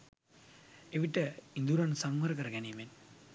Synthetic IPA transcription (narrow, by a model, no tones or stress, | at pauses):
eʋiʈːɐind̪uɾɐnsɐŋmɐɾɐkɐɾɡenimen